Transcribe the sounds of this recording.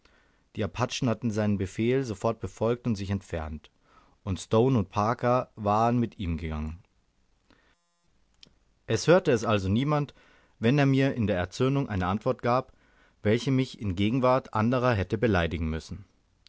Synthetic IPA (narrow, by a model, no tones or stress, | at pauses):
d̥iːaɐpʰat͡ʃn̩hatn̩zaɪnənbəfeːlzofɔɐt̚b̥əfɔlk̚tʊntz̥ɪçɛntfɛɐnt | ʔʊntstoʊnʊnt̚pʰaːkɐvaːʁənmɪtiːmɡəɡaŋən | ʔɛshøːɐtəɛsʔalzoniːmant | vɛneːɐmiːɐɪndeːɐɛɐt͡sønʊŋʔa̰ɪnəʔantv̥ɔɐt̚ɡ̥aːp | v̥ɛlçəmɪçɪnɡeːɡŋ̩vaɐtʔandəʁ̞ɐɦɛtəbəlaɪdɪɡŋ̩mʏsn̩